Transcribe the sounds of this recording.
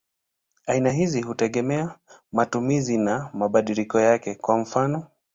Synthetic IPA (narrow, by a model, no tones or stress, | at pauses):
ainaɦiziɦutɛɠɛmɛamatumizinamaɓaɗilikɔjakɛkwam̩fanɔ